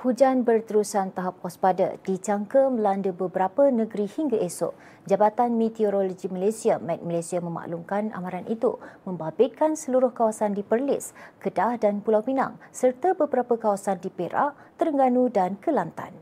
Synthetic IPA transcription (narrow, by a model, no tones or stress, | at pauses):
hud͡ʒanbərt̪əɾusant̪aɦap̚kɔspada̰dit͡ʃaŋkəmə̃landəbəbəɾapənəɡəɾihiŋɡaʔesɔ̰ʔ | d͡ʒabat̪anmet̪ioɾoloɡimalasiamat̪̚malajsiamə̃ma̰ʔluŋkana̰mãɾanʔit̪ṵmə̃mbabɪt̪̚kansəluɾʊhkawasandipərlɪ̰skədahdanpulawpina̰ŋsərt̪abəbəɾapəkawasandipeɾa̰ʔ | t̪əɾəŋɡanudankəlant̪a̰n